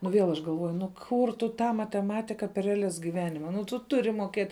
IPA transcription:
nʊ ʋʲiɛlˠ ɐʃ ɡɐlˠˈʋuɔjʊ nʊ ˈkʊr tʊ ˈtɑː mɐtʲɛˈmɑːtʲɪkɐ pʲɛr rʲɛɐˈlʲɛs ɡʲɪˈʋʲæːnʲɪmɐ nʊ tʊ ˈtʊrʲɪ moːˈkʲeːtʲ

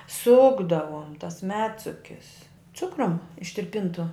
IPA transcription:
ˈsʊɡdɐʋoːm tɐs ˈmʲæːtsʊkʲɪs ˈt͡sʊkrʊm ɪʃʲtʲɪrʲˈpʲɪntʊ

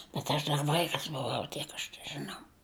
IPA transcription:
bʲɛt ɐʃ ˈdɐr ˈʋɐɪkɐs bʊˈʋɐʊ ˈtʲiɛk ɐʃ tʲɛʒɨˈnɐʊ

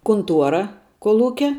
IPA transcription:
kʊnˈtuɔrɐ koːlˠˈuːkʲɛ

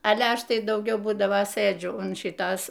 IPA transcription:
ˈɑːlʲɛ ˈɐʃ ˈtɐɪ dɐʊˈɡʲɛʊ ˈbuːdɐʋoː ˈsɘd͡ʒʲʊ ʊn ˈʃʲɪtoːs

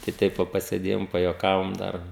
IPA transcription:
tɐɪ ˈtʲɛɪp ʋɐ pɐsʲeːˈdʲeːjoːm pɐjuɔˈkɑːʋoːm ˈdɐr

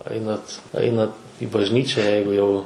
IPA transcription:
ˈɐɪnɐt ˈɐɪnɐt ɪ bɐʒʲˈnʲiːt͡ʃʲɛ ˈjɛɪɡʊ jɛʊ

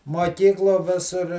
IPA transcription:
muɔˈkʲiːklˠuɔ ˈʋʲɪsʊr

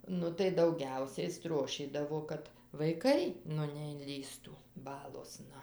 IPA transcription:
ˈnʊ tɐɪ dɐʊˈɡʲɛʊsʲɛɪ ˈstroːʃʲiːdɐʋoː ˈkɐt ʋɐɪˈkɐɪ ˈnʊ nʲɛɪnʲˈlʲiːstuː ˈbɑːlˠoːsnɐ

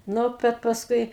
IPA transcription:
ˈnʊ ˈbʲɛt pɐsˈkʊɪ

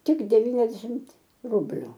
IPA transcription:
ˈtʲɪk dʲɛˈʋʲiːnʲɛzʲdʲɛʃʲɪmt ˈrʊbʲlʲʊ

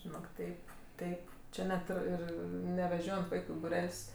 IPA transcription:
ʒʲɪˈnoːk ˈtʲɛɪp ˈtʲɛɪp ˈt͡ʃʲɪ nʲɛt ˈɪr ˈɪr nʲɛʋʲɛˈʒʲoːjɛnt ˈʋɐɪkʊ ɪ bʊˈrʲɛlʲsʲ

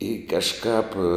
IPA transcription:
ɪ kɐʃˈkɑːp

